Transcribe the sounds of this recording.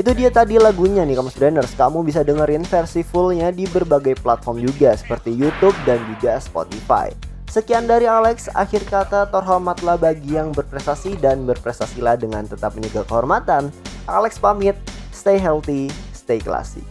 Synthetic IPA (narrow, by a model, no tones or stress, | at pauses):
ʔit̪udiat̪adilaɡuɲanɪhkamst̪udandərskamubis̬adəŋəɾɪnfɛrsifʊlɲadibərbaɡajplat̪̚fɔrmd͡ʒuɡasə̥pərt̪ijut̪ub̚dand͡ʒuɡaspo̰t̪ifa̰j | səkiandaɾialɛksa̰xɪrkat̪at̪ɔrɦɔrmat̪lahbaɡijaŋbərpɾɛst̪asidanbərpɾɛst̪asilahdəŋant̪ət̪ap̚mənəɡakəɦɔrmat̪anʔa̰lɛkspamɪt̪̚st̪ejɦɛlt̪ist̪ejkəla̰sɪ̰